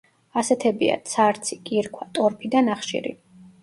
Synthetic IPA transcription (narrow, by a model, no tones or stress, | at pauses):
asɛt̪ʰɛbḭa̰t̪sʰaɾt̪sʰikʼiɾkʰwat̪ʼɔɾpʰid̪anaχʃḭɾḭ